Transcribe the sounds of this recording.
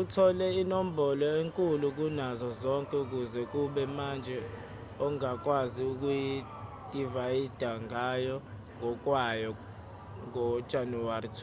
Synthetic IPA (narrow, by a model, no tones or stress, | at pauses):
utʰɔlɛinom̩bɔlɔeŋkʼuluk̬unazɔzɔŋkʼɛuk̬uzɛk̬uɓɛmand͡ʒʱɛ | ɔŋak̬ʼwaziuk̬uji | d̥ʱʼivajid̥ʱaŋajɔ | ŋʱɔk̬ʼwajɔ | ŋɔ̥ʒ̥ʱanuaritʰu̥